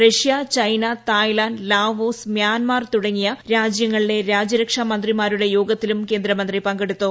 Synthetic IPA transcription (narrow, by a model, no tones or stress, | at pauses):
reʂijɐt͡ɕɐjnɐt̪aːjlaːnlaːʋoːsmjaːnmaːrt̪uɽɐŋːijɐɾaːd͡ʑjɐŋːɐɭiɽe̞ɾaːd͡ʑɐɾɐkʂɐmɐnd̪rimaːɾuɽe̞joːɡɐt̪ːilumke̞ːnd̪ɾɐmɐnd̪ripɐŋɡeɽut̪ːoː